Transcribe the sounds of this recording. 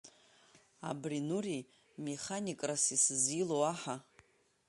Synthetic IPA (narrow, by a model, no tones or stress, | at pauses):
a̰brinuri | me̞χanikʼrasisɨzilowaħa